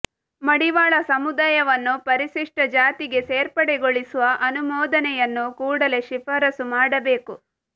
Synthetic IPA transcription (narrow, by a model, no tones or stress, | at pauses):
mɐɽiʋaːɭɐsɐmud̪aːjɐʋɐnːupɐɾiʃiʂʈɐd͡ʒaːt̪iɡe̞seːɾpɐɽeɡoɭisuʋɐʔɐnumɔːd̪ɐnɛjɐnːukuːɽɐle̞ʃipɐɾɐsumaːɽɐbe̞ːku